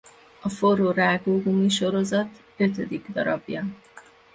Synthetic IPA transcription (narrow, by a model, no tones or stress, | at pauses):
ɒforoːraːɡoːɡumiʃo̞ɾo̞zɒt̪ | ø̞t̪ød̪iɡd̪ɒɾɒbjɒ